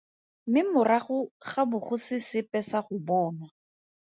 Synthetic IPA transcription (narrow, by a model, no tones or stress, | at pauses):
mɪmʊraχʊχabʊχʊsɪsɪpɛsaχʊbɔːna